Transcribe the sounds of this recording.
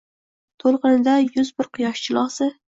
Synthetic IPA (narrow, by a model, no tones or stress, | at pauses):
t̪ʰolˠqɨnɪd̪ajʊzbɪɾqʰʊjɒʃt͡ʃʰɪlˠɒsɪ